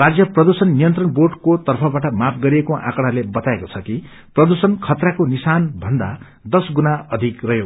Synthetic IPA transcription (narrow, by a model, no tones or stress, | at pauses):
rad͡zjʌprʌd̪usʌnːijʌnt̪rʌnborɖkot̪ʌrpʰʌbaʈʌmap̚ʰɡʌɾiekoʔã̰kʌɽalebʌt̪aekot͡sʰʌki | prʌd̪usʌnkʰʌt̪rakonisanbʱʌnd̪a | d̪ʌsɡunaʌd̪ʱikrʌɦjo